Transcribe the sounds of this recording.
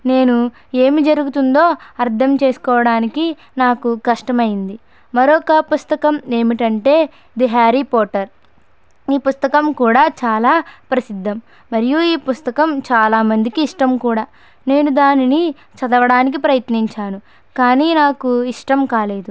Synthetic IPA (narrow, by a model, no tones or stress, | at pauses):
ne̞ːnu | e̞ːmid͡ʒɐɾuɡut̪und̪o̞ːɐɾt̪ʰɐmt͡ʃe̞ːsu̥kɔːʋɐɽaːniki | naːkukɐʂʈɐmɐjind̪i | mɐɾɔkɐpust̪ɐkɐme̞ːmiʈɐɳʈe̞ː | d̪iɦaːɾipɔːʈɐɾ | iːpust̪ɐkɐmkuːɽaːt͡ʃaːlaːpɾɐsid̪ʱːɐmː | ɐɾijuiːpust̪ɐkɐmt͡ʃaːlaːmɐnd̪ikiːʂʈɐmkuːɽaː | ne̞ːnud̪aːnini | t͡ʃɐd̪ɐʋɐɽaːnik̬ipɾɐjɐt̪niɲt͡ʃaːnu | kaːniːnaːkuiʂʈɐmkaːle̞ːd̪u